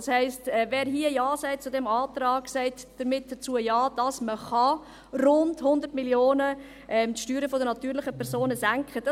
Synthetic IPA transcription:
shɛɪstɛvɛːɾɦiəjɑːsɛɪt͡sʊdɛmɑːtɾɑːɡsɛɪtd̥əɾmɪt̚d̥ət͡suəjɑːd̥ɑsməχɑ | ɾʊndhʊnd̪əɾtmiljoːnə | ʔɛmtʃtyːɾəfodənɑtyːɾlɪχəpʰɛɾzoːnəzæŋkχəd̥ɑ

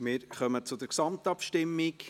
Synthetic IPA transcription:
mɪɾχœmət͡sʊd̪əɾksɑmtɑpʃtɪmːɪk

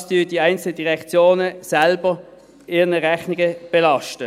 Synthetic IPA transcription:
sd̥yːd̥iæɪnt͡sl̩ədiʁɛkt͡sjoːnəsɛlbə | ɪːnəʁɛχnɪɡəb̥ɛlɑʃtə

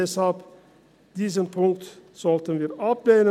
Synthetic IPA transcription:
ɛshɑlp | d̪̥iːs̬ənpʰʊŋk̚t̪sɔlt̪ənʋiːɾɑpleːnə

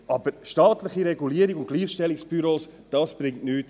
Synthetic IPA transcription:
ɑb̥əɾʃtɑːtləχiɾɛɡuliəɾiɡʊnt̚ɡ̥liːχʃtɛliksb̥yɾoːs | d̥ɑːsb̥ɾɪŋtnyːt

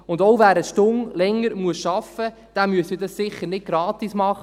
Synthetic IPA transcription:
ʊndowvæːɾəʃtʊŋlɛŋːəɾmuəsʃɑfə | d̥æmyəsidɑssɪχːəɾnɪt̚ɡ̥ɾɑːt̪ismɑχ

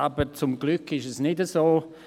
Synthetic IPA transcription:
abət͡sʊmɡ̥lʏkɪʃɛsnɪdəzoː

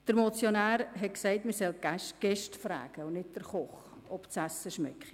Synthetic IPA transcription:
d̥əɾmɔt͡sjonæːɾɦɛt̚ksɛɪtməsɛlɡ̥æʃɡ̥ɛʃtfra̰ːɡ̥əʊnɪt̚d̥əɾχɔχ | ɔpt͡sæsːəʃmɛ̰kχi

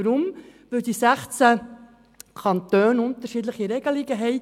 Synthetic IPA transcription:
ɾʊmvɪd̥isæχt͡sæ | kʰɑntøːnʊnt̪əɾʃiːdləχiɾɛɡ̥əleːɡəɦɛɪ

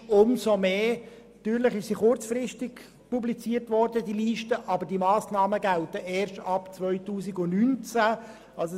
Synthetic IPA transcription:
ʊmsomeː | t̪yːɾləχɪʃsiːχʊrt͡sfrɪstɪk | publit͡siːəɾtvɔɾdədiliːʃtəʔɑbədimɑːsnɑːməɡæltəʔeːɾʃtɑpt͡svœʏtuːsɪɡʊnynt͡sæ | ɑls

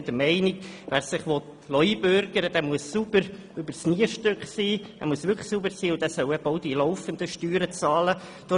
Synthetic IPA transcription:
d̥̪əɾmɛɪnɪɡʋæːɾsɪχʋɔt̪ | lɔibøɾɡ̥əɾəd̥̪æːmuəssubəɾ | øbəɾsniːəʃtøkχsiːæ̰muəsʋʏɾkʰə̥subəɾsiːʊnd̥̪æːsœwɛbəɔʊd̥ilɔʊfənd̪əʃtyːɾət͡sɑːlə | d̪̥ɔ

